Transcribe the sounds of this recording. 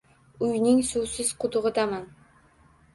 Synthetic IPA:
ujniŋsuːsiz̥qʰʊt̪ʊʁɤd̪ɑmɑn

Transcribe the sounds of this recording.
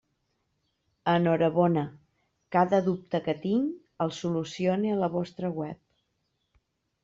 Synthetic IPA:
ənɔɾəβɔnə | kaðəðup̚t̪əkət̪iŋ | əlˠsulusioniələβɔst̪ɾəɣwɛp̚

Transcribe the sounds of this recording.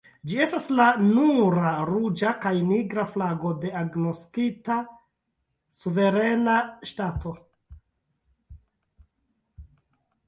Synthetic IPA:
d͡ʒie̞staslanuɾaɾud͡ʒakajniɡɾaflaɡo̞de̞aɡno̞skita | suve̞ɾe̞naʃtatʰo̞

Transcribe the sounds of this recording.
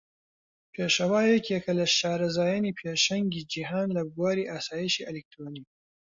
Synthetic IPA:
pʰeːʃɐwaːjɛkjɛkʰɐlɐʃaːɾɐzaːjaniːpʰeːʃɐŋɡid͡ʒiɦaːnlɐɡwaːɾiːʔaːsaːjiʃiʔɐlik̚t̪ɾoniː

